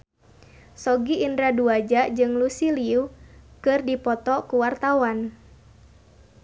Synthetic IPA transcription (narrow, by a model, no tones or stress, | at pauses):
sɔɡiʔːndɾaduad͡ʒaʔd͡ʒɨŋlusiliukɨrdipɔt̪ɔkuwart̪awan